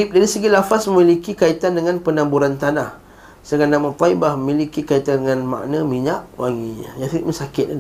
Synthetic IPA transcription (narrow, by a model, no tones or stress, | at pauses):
ip̚daɾisəɡilafasməmilikikait̪andəŋanpənambuɾant̪anah | səɡanamət̪aibahməmilikikait̪andəŋanma̰ʔnəmiɲaʔwaŋiɲə̰jatiʔməsakɪt̪̚a